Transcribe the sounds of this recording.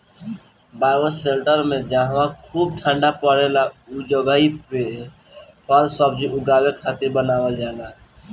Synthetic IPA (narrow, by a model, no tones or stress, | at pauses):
baːɪwəselʈəɾmẽd͡ʒaːɦʋãkʰuːb̚ʈʰə̃ɳɖapəɾelaud͡ʒəɡaːipe | pɔɾsəb̚d͡ʒiʔʊɡaːwekʰaːt̪ebənaːwəld͡ʒaːla